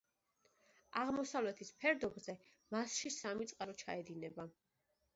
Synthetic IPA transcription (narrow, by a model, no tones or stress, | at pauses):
aʁmɔsavlɛt̪ʰispʰɛɾd̪ɔbzɛ | masʃisamit̪sʼqʼaɾɔt͡ʃʰa̰ɛd̪inɛba